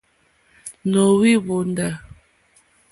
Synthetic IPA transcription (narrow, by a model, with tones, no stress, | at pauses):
no˨wi˦βo˨nda˨